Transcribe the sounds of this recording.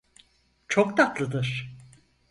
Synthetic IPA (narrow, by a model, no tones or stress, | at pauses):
t͡ʃʰokt̪at̪ʰlˠɯd̪ɯɾ̥